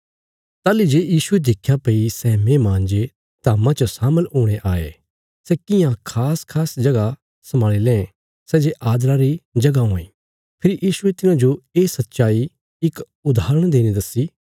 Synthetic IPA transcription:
t̪aːlid͡ʒeːjiːsued̪ɪkʰːjapeːisɛːmẽːmãːnd͡ʒe | t̪aːmãt͡ʃɐsaːməlɦoːɽ̃eʔaːḛ | sɛkɪjãkʰaːskʰaːsd͡ʒɐɡa | sɐmaːɭilẽẽ | sɛːd͡ʒeʔaːd̪ɾaɾid͡ʒɐɡaɦõḭ̃ː | pʰɪɾijʔiːʃuet̪ɪnãd͡ʒoeːsɐt̪ːʃaːi | ɪk | ʊd̪ʱaːɾə̃ɽ̃d̪eːnẽd̪ɐsiː

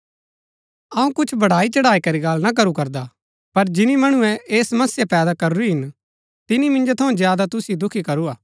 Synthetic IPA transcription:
ɐũkʊt͡ʃʰbɐɽaːit͡ʃɐɽaːikɐɾiɡalnak̬ɐɾukɐɾd̪a | pɐɾd͡ʒɪnimɐɽ̃ʊ̃ɛʔeːsmɐsjapɛːd̪akɐɾuɾiɦɪn | t̪ɪnimɪ̃nd͡ʒot̪ʰɐũzjaːd̪at̪ʊsid̪ʊkʰikɐɾuaː

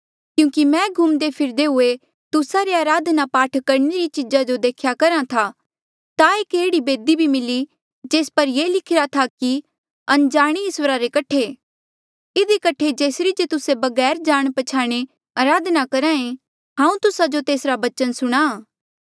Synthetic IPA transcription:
kjũːkimɛ̃ːɡʱumd̪epʰɪɾd̪eɦʊe | t̪ʊsaɾeaːɾaːd̪napaːʈʰkɐɾɳeɾit͡ʃɪd͡ʒad͡ʒod̪eːkʰjakɐɾãt̪ʰa | t̪aeːkeːɽibeːd̪ibʱimɪli | d͡ʒeːspɐɾjeːlɪkʰɪɾat̪ʰaki | ɐnd͡ʒaːɽ̃iɪswəɾaɾekɐʈʰe | ɪd̪ikɐʈʰed͡ʒeːsɾid͡ʒet̪ʊsebɐɡɛːɾd͡ʒaːɽ̃pɐt͡ʃʰaːɽ̃e | aːɾaːd̪nakɐɾãẽ | ɦãːũt̪ʊsad͡ʒot̪eːsɾabɐt͡ʃənsʊɽ̃a

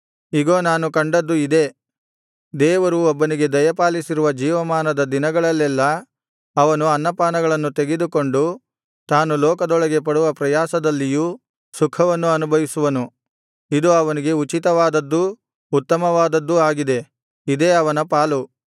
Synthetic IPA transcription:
iɡo̞ːnaːnukɐɳɖɐd̪ːuid̪e̞ | d̪ɛːʋɐɾuɔbːɐniɡe̞d̪ɐjɐpaːlisiɾuʋɐd͡ʒiːʋɐmaːnɐd̪ɐd̪inɐɡɐɭɐlːɛlːɐː | ʋɐnuɐnːɐpaːnɐɡɐɭɐnːut̪e̞ɡe̞d̪uko̞ɳɖu | t̪aːnulɔːkɐd̪ɔɭɐɡe̞pɐɽuʋɐpɾɐjaːsɐd̪ɐlːiju | sukʰɐʋɐnːuɐnubʱɐʋisuʋɐnu | id̪uɐʋɐniɡe̞ut͡ʃit̪ɐʋaːd̪ɐd̪ːuː | t̪ːɐmɐʋaːd̪ɐd̪ːuaːɡid̪e̞ | id̪e̞ːɐʋɐnɐpaːlu

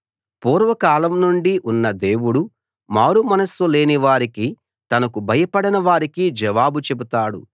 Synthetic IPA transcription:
puːɾʋɐkaːlɐmnuɳɖiʔunːɐd̪e̞ːwuɽu | maːɾumɐnɐsule̞ːniʋaːɾiki | t̪ɐnɐkubʱɐjɐpɐɽɐnɐʋaːɾikid͡ʒɛʋaːbut͡ʃe̞but̪aːɽṵ

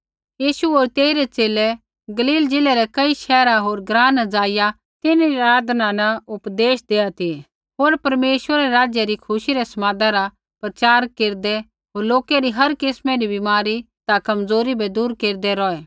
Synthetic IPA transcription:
jiːʃuoːɾt̪eːiɾɛt͡ʃeːlɛ | ɡɐliːld͡ʒɪlɛɾɛkɐiʃɛːɾaɦoːɾɡɾãːnəd͡zaːɪja | t̪ɪniɾaːd̪nanɐʊpd̪eːʃd̪eːat̪ʰi | ɦoːɾpɐɾmeːʃwəɾaɾɛɾaːd͡ʒjaɾikʰʊʃiɾɛsɐmaːd̪aɾa | pɾɐt͡ʃaːɾkeːɾd̪ɛ | ɦoːɾloːkɛɾiɦɐɾkɪsmɛɾibɪmaːɾi | t̪akɐmd͡zoːɾibʱɛd̪uːɾkeːɾd̪ɛɾɔːɛː

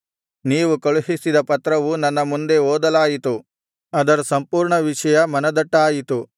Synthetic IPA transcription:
niːʋukɐɭuɦisid̪ɐpɐt̪ɾɐʋunɐnːɐmund̪e̞oːd̪ɐlaːjit̪u | ɐd̪ɐɾɐsɐmpuːɾɳɐʋiʂɐjɐmɐnɐd̪ɐʈːaːjit̪u

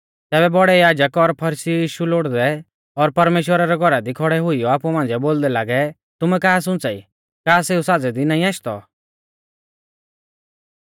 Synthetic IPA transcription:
t̪ɛːβɛbɔɽɛjaːd͡ʒəkɔɾpʰɐɾisijiːʃuloːɽd̪ɛ | ɔɾpɐɾmeːʃwəɾaɾɛɡʱɔɾad̪ikʰɔɽɛɦʊijɔaːpumãːnd͡zɛboːld̪ɛlaːɡɛ | t̪ʊmɛkaːs̬ʊ̃nt͡saḭ | kaːseːusaːd͡zɛd̪inãːĩaːʃt̪ɔ̰

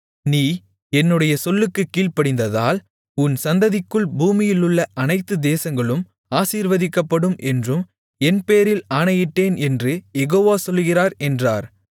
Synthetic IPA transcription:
niː | ɛnːɯɽɐjɐsɔlːɯkːɯkːiːɭpɐɽɪnd̪ɐðaːl | ʊnsɐnd̪ɐðɪkːɯɭbuːmɪjɪlʊɭːɐʔɐnɐɪt̪ːɯd̪eːsɐŋɡɐɭɯm | aːsiːɾʋɐðɪkːɐpːɐɽɯmʔɛndrɯm | ɛnpeːɾɪlaːɳɐjɪʈːeːnɛndrɯjɛɣoːʋaːsɔlːɣɪraːɾɛndraːɾ

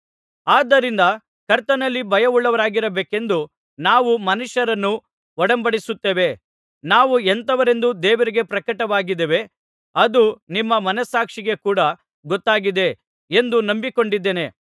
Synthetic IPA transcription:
aːd̪ːɐɾind̪ɐ | kɐɾt̪ɐnɐlːibʱɐjɐuɭːɐʋɐɾaːɡiɾɐbeːke̞nd̪u | naːʋumɐnuʃɐɾɐnːu | ɔɽɐmbɐɽisut̪ːeːʋe̞ | naːʋuent̪ɐʋɐɾe̞nd̪ud̪ɛːʋɐɾiɡe̞pɾɐkɐʈɐʋaːɡid̪eʋe̞ | ɐd̪unimːɐmɐnɐsaːkʂiɡe̞kuːɽɐ | ɡɔt̪ːaːɡid̪e̞ | e̞nd̪unɐmbiko̞ɳɖid̪ːeːne̞

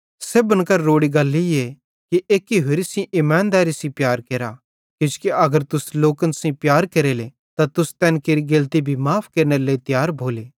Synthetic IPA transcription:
seːbɐnkɐɾːoːɽiɡɐlːije | kiʔeːkːiɦeɾisĩʔɪmãːnd̪aːɾisĩpjaːɾkeːɾa | kjɪ̃skiʔɐɡəɾt̪ʊsloːkənsĩpjaːɾkeːɾeːle | t̪at̪ʊst̪ɛːnkeːɾiɡelt̪ibʱimaːpʰkeːɾneɾleit̪jaːɾbʱoːleː

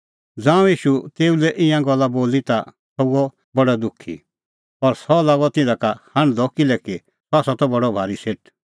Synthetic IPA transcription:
d͡zãːũjiːʃut̪eːulɛʔɪ̃jãɡɔlːaboːlit̪a | tɔuɔ | bɐɽɛd̪ʊkʰːḭ | ɔɾsɔlaːɡɔt̪ɪ̃dãkahãɽ̃d̪ɔkɪlɛki | t̪ɔaːsɔt̪ɔbɐɽɔbʱaːɾiseʈ̚

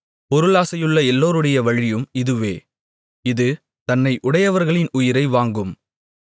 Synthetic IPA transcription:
pɔɾɯɭaːsɐjɯɭːɐɛlːoːɾɯɽɐjɐʋɐɻɪjɯmɪðɯʋeː | ɪðɯ | t̪ɐnːɐɪʔʊɽɐjɐʋɐɾɣɐɭɪnʊjɪɾɐɪʋaːŋɡɯm

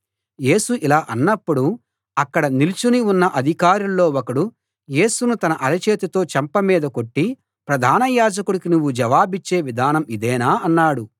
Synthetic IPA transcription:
je̞ːsuʔilaːʔɐnːɐpːuɽu | ɐkːɐɽɐnilit͡ʃuniunːɐʔɐd̪ʱikaːɾulːo̞ːokɐɽu | je̞ːsunut̪ɐnɐʔɐlɐt͡ʃe̞ːt̪it̪o̞ːt͡ʃɐmpɐmiːd̪ɐko̞ʈːi | pɾɐd̪ʱaːnɐjaːd͡ʒɐkuɽikinuʋːud͡ʒɐʋaːbit͡ʃːe̞ːʋid̪ʱaːnɐmid̪ɛːnaːɐnːaːɽu

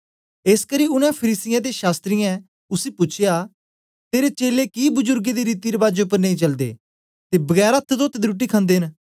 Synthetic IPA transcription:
eːskəɾiːʊnɛ̃pʰəɾiːsɪjãːt̪eʃaːst̪ɾijɛ̃ | ʊsiːpʊt͡ʃʰɪjaː | t̪eːɾet͡ʃeːlekibʊzʊɾɡed̪iɾiːt̪iɾebaːd͡ʒʊp̬əɾnẽĩt͡ʃɐld̪ḛː | t̪eːbəɡɛːɾaət̪ʰːət̪oːt̪ʰːed̪iɾuʈ̬iːkʰãːnd̪eːɦɪn

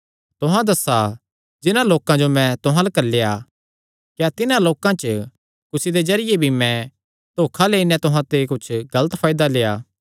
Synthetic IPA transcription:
t̪ʊɦãd̪ɐsa | d͡ʒɪnãloːkãd͡ʒomɛ̃t̪ʊɦãlakɐɾleja | kjat̪ɪnãloːkãt͡ʃə | kʊsid̪ezɐɾɪjebʱimɛ̃ | t̪oːkʰaleːinɛt̪ʊɦãt̪ekʊt͡ʃʰɡɐlət̪pʰaːɪd̪alejaː

